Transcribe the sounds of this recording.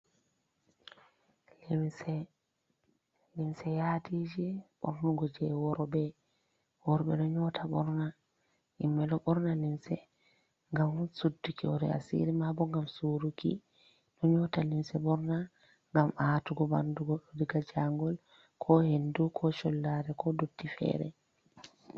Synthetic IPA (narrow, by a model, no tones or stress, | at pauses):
limsɛ | limsɛjadid͡ʒiɓɔ̰ɾnuɡɔd͡ʒɛwɔɾɔbɛ | wɔɾɔɓɛ̰nɔɲɔtʰaɓɔɾna | ʔimːɛlɔɓɔɾnalimsɛ | ŋɡamsudːukʰiɔɾɛ̰a̰sḭɾimabɔŋɡamsuɾukḭ | nɔɲɔtalimsɛɓɔɾna | ŋɡamatuɡɔbanduɡɔɗodiɡad͡ʒaŋɡɔl | kʰɔhendukʰɔʃɔlːaɾɛkɔdudːifɛ̰ːɾɛ̰